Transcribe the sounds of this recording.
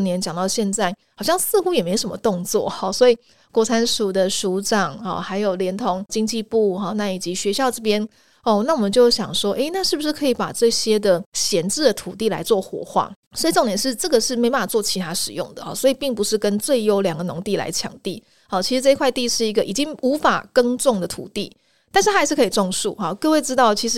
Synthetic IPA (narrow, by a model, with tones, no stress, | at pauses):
njɛ˧˦nt͡ɕjɑ˨˩ŋt̪ɑ˥˧ʊɕjɛ˥˧nt͡sa˥˩ɪxɑ˨˩ɕjɑ˥˧ŋsɹ̩˥˧xu˥jɛ˨˩me˧˥ɪo˨˩ʂə˦mə̰˧˦t̪ʊ˥˧ŋt͡swɔ̰˥˨˩xɔ˨˩swɔ˧˥i˨˩ | kwɔ˧˥t͡sʰa˥nʂu˨˩d̪ə˨ʂu˧˥ʈ͡ʂɑ˨˩ŋɔ̰˥˩xa˧˥ɪjo˨˩ʊljɛ˧˥nt̪ʰo˧˥ŋt͡ɕi˥ŋt͡ɕi˥˧pu˥˩xɔ˥˧na˥˩i˨˩t͡ɕi˧˥ɕɥɛ˧˥ɕjɑ˥˧ʊʈ͡ʂɤ˥˧p̬jɛ˥n | ɔ˥˧na˥˩wɔ˨˩mə˨˦nt͡ɕjo˥˩ʊɕjɑ̰˨˩ŋʂwɔ˥ʔe˥ɪna˥˧ʂɻ̩˥˩bu˩ʂ̬ɻ̩˥˩kʰɤ˧˥i˧˥pa̰˨˩ʈ͡ʂɤ˥˧ɕjɛ˥d̪ə˨ɕjɛ˧˥nʈ͡ʂɻ̩˥˩d̪ə˩t̪ʰu˨˩t̪i˥˩la̰˧˥ɪt͡swɔ˥˩xwɔ̰˧˥xwa̰˥˩ | swɔ˧˥i˨ʈ͡ʂŋt̪jɛ˨˩nʂɻ̩˥˧ʈ͡ʂɤ˥˩ɡə˩ʂɻ̩˥˩me˧˥ɪpa˥˩na˨˩t͡swt͡ɕʰi˧˥t̪ʰa˥ʂɻ̩˨˩jʊ̰˥˩ŋd̪ə̰˩xɔ̰˨˩swɔ˧˥i˨˩pi˥˩ŋpu˧˦ʂɻ̩˥˩kə˦nt͡swe˥˩ɪjo˥ʊljɑ˨˩ŋɡə˩nʊ˧˥ŋt̪i˥˩la̰˧˥ɪt͡ɕʰjɑ̰˨˩˦ŋt̪i˥˨˩ | ɔ˥˩t͡ɕʰi˧ʂɻ̩˧˥ʈ͡ʂɤ˥˧i˥kʰwa˥˧ɪt̪i˥˧ʂɻ̩˥˩i˧˥ɡə˧˨ʔi˨˩t͡ɕi˦˥ŋu˧˥fa̰˨˩kə˥ŋʈ͡ʂʊ˥˩ŋd̪ə˩t̪ʰṵ˨˩t̪i˥˩ | t̪a˥˧nʂ̬ɻ̩ʰ˥˩a˧ɪʂɻ̩˥˩kʰɤ˧˥i˨˩ʈ͡ʂʊ˥˧ŋʂu˥˩xɔ˥˩kɤ˥˧we˥˩ɪʈ͡ʂɻ̩˥t̪ɑ˥˩ʊt͡ɕʰi˧˥ʂ̬̩˧˥